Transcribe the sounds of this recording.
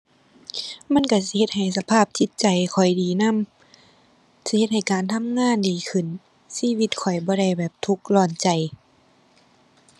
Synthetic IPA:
ma˧˥˨nka˧˩s̬i˧he˧t̪̚ha˨˩jsa˧pʰaː˥˩p̚t̪ʰi˧˦t̪̚t͡ɕa˨jkʰɔ˨˩jdiː˨˩na˧˥˨m | si˧he˧t̪̚ha˨˩jkaː˨nt̪ʰa˧˥˨mŋaː˧˥˨ndiː˨˩kʰɯ˧˩n | siː˧˨wi˧t̪̚kʰɔ˨˩jbɔː˧˦ɾa˧˩jbɛː˨˩p̚t̪ʰu˧˦k̚lɔː˧˩nt͡ɕa˨j

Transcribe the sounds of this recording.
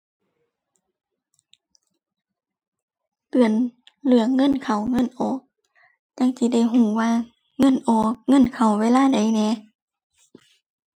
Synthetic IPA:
pɯ˨˩ən | lɯ˨˧˦əŋːɤ˧˥˨nkʰa˨˩wŋɤ˧˥˨nʔɔː˨˦k̚ | ɲa˧˥˨ŋsi˧˦da˧˩˨jɦuː˧˩waː˧˥˨ | ŋɤ˧˥˨nʔɔː˨˦k̚ŋɤ˧˥˨nkʰa˨˩wːeː˧˥˨laː˥˨da˨˦jnɛː˧˦

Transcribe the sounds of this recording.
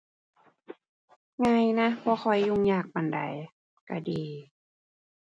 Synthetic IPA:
ŋa˧˨jna˧˥pʰɔː˧˦xʰɔ˧˩jːu˧˩˨ŋɲaː˧˩k̚pa˨nda̰˨˩j | ka˧˩diː˨˩

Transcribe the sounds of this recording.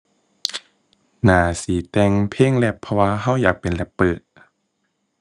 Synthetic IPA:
naː˨˦siː˨˦t̪ɛː˧ŋpʰeː˧˥˨ŋlɛ˧˩pʰːɔ˧waː˧ɦa˧˥˩wjaː˨˩k̚pe˨nlɛ˧˥pːɤː˨˩t̪̚

